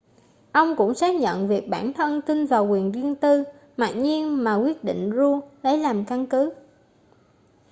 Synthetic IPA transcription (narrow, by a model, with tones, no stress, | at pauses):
ʔə˧wŋ͡mkʊ̰˧˥ŋ͡msaː˦˥k̚ɲə̰˧˨nvi˨˩ək̚ɓaː˧˩nt̪ʰə˧nt̪i˧nvaː˨˩wkwi˨˩ənzi˧ənt̪ɨ˧ | ma̰ː˨˩k̚ɲi˧ənmaː˨˩kwi˦˥ət̚ɗḭ˧˨ŋ̟zu˧lə˨˦jlaː˨˩mka˧nkɨ˨˦